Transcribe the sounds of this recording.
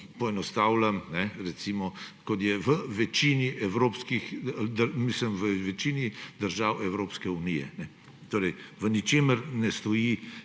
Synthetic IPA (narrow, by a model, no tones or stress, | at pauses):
pɔɛnɔst̪aːwlamnɛɾɛt̪siːmɔkɔt̪jɛʋəʋɛt͡ʃiniʔɛwɾoːpskixd̪əɾmisləmʋəʋɛt͡ʃiːnid̪əɾʒaːwɛwɾoːpskɛunijɛ̰nɛ | t̪oːɾɛjʋənit͡ʃeːməɾnɛst̪ɔji